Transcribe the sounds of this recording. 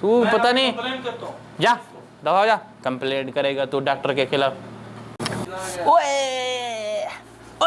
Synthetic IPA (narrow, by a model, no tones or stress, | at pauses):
t̪upɐt̪aniekɐt̪o | d͡ʒaː | d̪ɐʋad͡ʒaːkɐ̃mplẽːʈkɐɾeːɡat̪uɖaːk̚ʈəɾkekʰɪlaːf | oe